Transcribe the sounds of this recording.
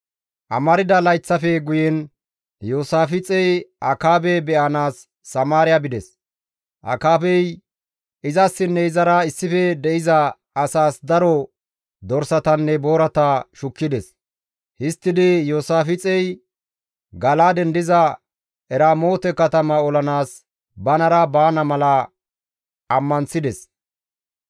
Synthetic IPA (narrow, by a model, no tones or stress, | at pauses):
ʔɐ̰mɐɾɪd̪ɐlɐjt͡sːɐfɛɡʊjɛn | joːsaːfɪt͡sʼɛjʔɐkaːbɛbɛʔɐnaːsː | ɐmaːɾɪjabɪd̪ɛs | ʔɐ̰kaːbɛj | ɪzɐsːɪnːɛɪzɐɾɐɪsːɪfɛd̪ɛʔɪzɐː | saːsd̪ɐɾɔ | d̪ɔɾsɐt̪ɐnːɛbo̞ːɾɐt̪ɐʃʊkːɪd̪ɛs | hɪst̪ːɪd̪ɪjoːsaːfɪt͡sʼɛj | ɡɐlaːd̪ɛnd̪ɪzɐ | ɛɾaːmo̞ːt̪ɛkɐt̪ɐmɐɔlɐnaːs | bɐnɐɾɐbaːnɐmɐlɐ | ɐmːɐnsɪd̪ɛs